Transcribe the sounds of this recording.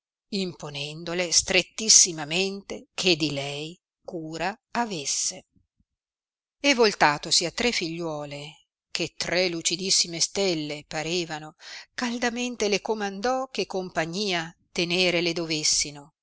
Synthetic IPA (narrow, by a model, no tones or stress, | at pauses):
imponɛnd̪olest̪ɾet̪ːisːimament̪ekʰed̪ilɛj | kuːɾaː | vesːe | evːolt̪aːt̪osiat̪ːɾefːiʎːwɔːle | kʰet̪ːɾɛlut͡ʃid̪isːimest̪elːepaɾeːvanokald̪ament̪elekomand̪ɔk̟ːekːompaɲːiːat̪eneːɾeled̪ovesːino